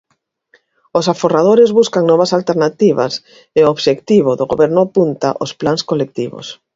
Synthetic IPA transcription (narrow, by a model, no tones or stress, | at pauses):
osaforað̞oɾɪzβuskaŋnɔβasalt̪eɾnat̪iβa̰s | ɪooβʃekt̪iβoðoɣo̰βɛɾnʊapunt̪a̰ʔosplaŋskolek̚t̪iβo̰s